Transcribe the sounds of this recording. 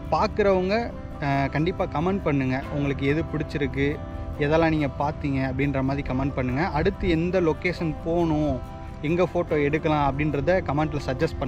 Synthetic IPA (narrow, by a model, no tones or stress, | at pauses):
paːɾkɯɾɐʋɐŋɡɐ | kɐɳɖɪpːaːkɐmɐɳɖ̚pɐɳːɯŋɡɐʊŋɡɐɭɯk̬ːɯɛðɯpɪɽɪt͡ʃːɪɾɯkːɯ | ɛðɛlãːniːŋɡɐpaːɾt̪iːŋɡɐːpːɐɽɪnɾɐmaːðɾikɐmɐɳɖ̚pɐɳːɯŋɡɐʔɐɽɯt̪ːɯɛnd̪ɐlɔkeːʂɐnpoːɳʊ̃ | ɛŋɡɐfoːʈːoːɛɽɯkːɐlãːɐpːɐɽɪnɾɐðɯkɐmɐɳɖlɐsɐd͡ʒɐsʈ̚pɐɳː